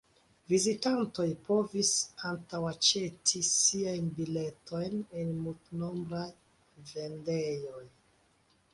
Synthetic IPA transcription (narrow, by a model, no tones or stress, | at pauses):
vizitanto̞jpo̞visantawat͡ʃe̞tʰisiajnbile̞tʰo̞jnenmultnombɾaj | ve̞ndejo̞j